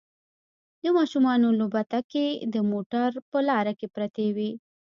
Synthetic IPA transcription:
d̪əmɑʃumɑːnolobɐt̪aked̪əmoʈaɾpəlɑːɾakepɾɐt̪ewi

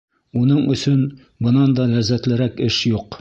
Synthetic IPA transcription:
unɤɴɵ̆sɵn | bɤ̆nɑnd̪ɑlæzːæt̪lɘ̆ɾækɘʃjuq

